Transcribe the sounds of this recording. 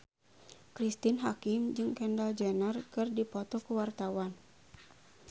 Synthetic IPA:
kɾist̪inɦakɪmd͡ʒɨŋkɛndald͡ʒɛnərkɨrdipɔt̪ɔkuwart̪awan

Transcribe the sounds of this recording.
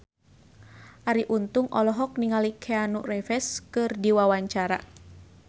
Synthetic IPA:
ʔaɾiʔunt̪uŋʔɔlɔɦɔk̚niŋalikʰɛanurɛfɛskɨrdiwawaɲt͡ʃaɾa̰

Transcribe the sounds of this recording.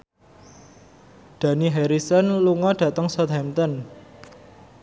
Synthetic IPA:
d̪̥ä̤niɦɛɾisənluŋɔɖ̥ä̤t̪əŋsɔt̪hɛmt̪ɔn

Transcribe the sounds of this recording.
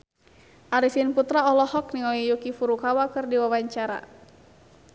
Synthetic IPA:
ʔaɾisinput̪ɾaɔlɔhɔk̚niŋɔlijukifuɾukawakɨrdiwawaɲt͡ʃaɾa̰

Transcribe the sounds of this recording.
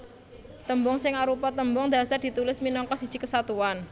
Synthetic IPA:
t̪əmbɔŋsɪŋaɾupat̪əmbɔŋd̪a̤sard̪̥i̤t̪ulɪsminɔŋkɔsi̥ʒ̥i̤kəsat̪uan

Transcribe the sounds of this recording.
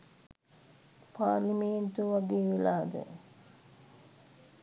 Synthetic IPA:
pʰaːɾlimeːnt̪uʋaɡeːʋilaːd̪ə̰

